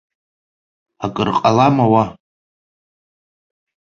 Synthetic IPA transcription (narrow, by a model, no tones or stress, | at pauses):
akʼɨrqʼalamawa